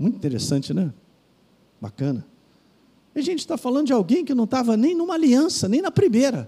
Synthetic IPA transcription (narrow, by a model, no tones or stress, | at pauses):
mũt̪ĩt̪eɾesɐ̃t͡ʃɪnɛ | ba̰kɐ̃nɐ | iɐʒẽnt͡ʃɪ̥t̪afalɐ̃d̪ʊd͡ʒɪawɡẽj̃kɪnɐ̃w̃t̪avɐnẽj̃nũmɐaliɐ̃sɐnẽj̃nɐpɾimejɾɐ